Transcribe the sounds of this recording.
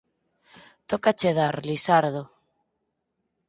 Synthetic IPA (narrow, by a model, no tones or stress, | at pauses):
t̪okat͡ʃeðaɾlisaɾðo